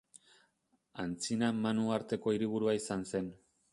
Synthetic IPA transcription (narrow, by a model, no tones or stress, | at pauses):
ant͡sinamanuaɾt̪e̞ko̞iɾiβ̞uɾuaisanse̞n